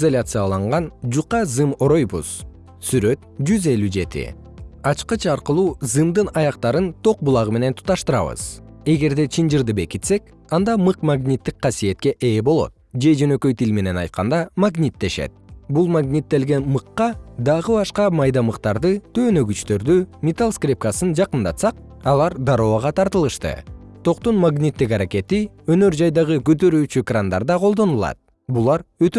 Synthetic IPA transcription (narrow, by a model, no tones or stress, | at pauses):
zolʲat̪sɨjɑlˠɑɴʁɑnd͡ʒuqɑzɨmo̞ɾo̞jbṵz̥ | syɾø̞t̪̚d͡ʒyze̞lʲyd͡ʒe̞t̪ḭ | ɑt͡ʃqɯt͡ʃʰɑɾqɯlˠuːzɨmd̪ɯnɑjɑq̚t̪ɑɾɯnt̪ʰo̞q̚bulˠɑʁɯme̞ne̞nt̪ʰu̥t̪ɑʃt̪ɯɾɑ̰βɯ̰z̥e̞ɡe̞ɾd̪e̞t͡ʃʰind͡ʒɯɾd̪ɯbe̞kit̪se̞k | ɑnd̪ɑmɯqmaɡnʲit̪ːik̚qɑsije̞t̪̚ke̞ʔe̞ːbo̞lˠo̞̰t̪̚d͡ʒe̞d͡ʒø̞nø̞kø̞jt̪ilme̞ne̞nɑ̰jt̪̚qɑnd̪ɑmaɡnʲit̪ːe̞ʃḛt̪̚bulˠmaɡnʲit̪ːe̞lɡe̞nmɯqːɑd̪ɑʁɯbɑʃqɑmɑjd̪ɑmɯqt̪ɑɾd̪ɯt̪ʰø̞ːnø̞ɡyt͡ʃt̪ø̞ɾd̪ymʲet̪alˠskrʲip̚kasɯnd͡ʒɑqɯnd̪ɑt̪sɑq̚ | ɑlˠɑɾd̪ɑɾoːʁɑt̪ʰɑɾt̪ɯlˠɯʃt̪ɯ̰t̪ʰo̞qt̪unmaɡnʲit̪ːikɑɾake̞t̪iønø̞ɾd͡ʒɑjd̪ɑʁɯkøt̪ø̞ɾyːt͡ʃykrand̪ɑ̰ɾd̪ɑqʰolˠd̪o̞nulˠɑ̰t̪̚ | bulˠɑɾøt̪